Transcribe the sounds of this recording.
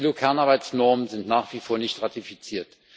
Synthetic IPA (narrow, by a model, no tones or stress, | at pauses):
lokʰɛɐnaɐbaɪsnɔɐmənzɪntnaːχv̥iːfoːɐnɪçtʁatifit͡siːɐt